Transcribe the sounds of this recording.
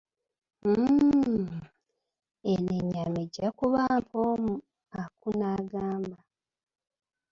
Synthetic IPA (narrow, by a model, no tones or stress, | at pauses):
eneɲameɟakuβampʰoːmu | akunaːɡaːmba